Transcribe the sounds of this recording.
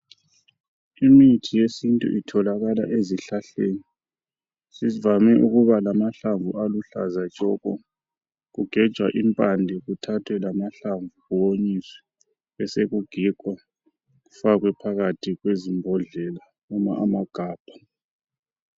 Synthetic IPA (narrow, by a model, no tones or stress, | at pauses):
imitʰijesintʼṵʔitʰɔlaɣalaʔeziɬaɬeːni | sivamɛʔuɣuβalamaɬaɱvualuɬa̰zḁt͡ʃʼɔkɔ | ɣuɡ̥ʱɛd̥ʒ̥ʱwaʔimpʼandʱɛɣutʰatʰwɛlamaɬaɱvuɣuwoɲiswɛ̥ | ɛseɣuɡ̥ʱikʼwa | ɣufaɣwɛpʰaɣatʰiɣwezimbʱɔɮɛla | uma̰ʔamaɡ̥ʱaːb̥ʱḁ